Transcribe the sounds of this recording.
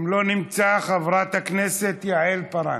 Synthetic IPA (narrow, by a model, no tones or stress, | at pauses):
mlo̞nimt͡saχavʁat̪hakneset̪jaelpaɾa̰